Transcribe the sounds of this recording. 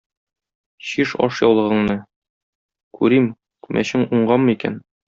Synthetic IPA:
ɕiʃɒ̰ʃjɒwlˠɤ̆ʁɤ̆ɴnɤ | kʉɾim | kʉmʔæ̰ɕɘŋuɴɢɑmmɤikæ̰n

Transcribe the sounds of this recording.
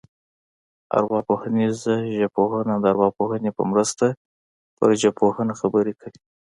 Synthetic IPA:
a̰ɾwɑpohanizaʒapohənad̪əaɾwɑpohənepə̰mɾəst̪a | pə̰ɾʒapʰohənaxabəɾekawi

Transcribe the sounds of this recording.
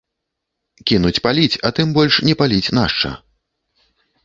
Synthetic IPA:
kʲinut͡sʲpalʲit͡sʲɐt̪ɨmbɔlʲʂnʲɛpalʲit͡sʲn̪aʂt͡ʂɐ̰

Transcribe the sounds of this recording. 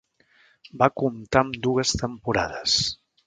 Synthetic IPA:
bakumt̪amd̪uɣəst̪əmpuɾa̰ðəs

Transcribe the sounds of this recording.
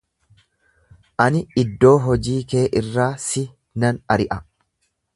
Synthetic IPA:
ʔɐnɪɪd̪ːo̞ːɦɔd͡ʒiːke̞ːʔɪrːaːsɪ | nɐnɐɾɪʔɐ

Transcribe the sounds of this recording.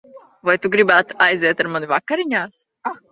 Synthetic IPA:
vajt̪uɡɾibaːt̪ajzeːt̪aɾmanivakːaɾiɲaːs | a

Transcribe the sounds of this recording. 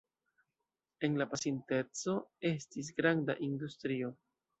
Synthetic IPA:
e̞nlapasinte̞t͡so̞e̞stis̬ɡɾanda̰ʔindustɾio̞

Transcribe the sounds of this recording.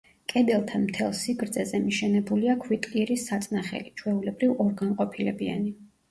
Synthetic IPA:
kʼɛd̪ɛlˠt̪ʰanmt̪ʰɛlˠsiɡɾd̪zɛzɛmiʃɛnɛbuliakʰwit̪ʼliɾisːat̪sʼnaχɛ̰lit͡ʃʰwɛulɛbɾivɔɾɡamqʼɔpʰilɛbia̰ni

